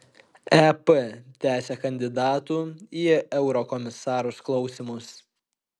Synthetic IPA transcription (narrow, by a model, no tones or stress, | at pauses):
æpət̪ʲæːsʲɛkɐnʲd̪ʲɪd̪ɑːt̪uːiːɛʊɾɔkɔmʲɪsɑːɾuːsklˠɒʊsʲɪmʊs